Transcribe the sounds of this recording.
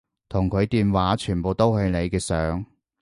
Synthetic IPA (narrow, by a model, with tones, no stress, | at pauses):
t̪ʰʊ˨˩ŋkʰɵ˨˧ɥt̪iː˨˧nwaː˨˥t͡ʃʰyː˨˩npo˨wt̪o˥whɵ˧ɥne˨˧jkɛː˧sœː˨˥ŋ